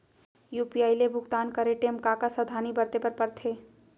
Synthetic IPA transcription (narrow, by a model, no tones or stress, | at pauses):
juːpiaːilebʱʊɡt̪aːnkɐɾeʈeːmkaːkasɐd̪ʱaːnibɐɾt̪epɐɾpɐɾt̪ʰeː